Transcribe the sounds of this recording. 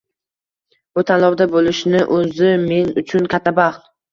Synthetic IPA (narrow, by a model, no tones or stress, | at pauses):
bʊt̪ʰanlˠɒwd̪abolɪʃnɪʔɵzɪme̞nʊt͡ʃʰʊnkʲʰat̪ʰːabɑχt̪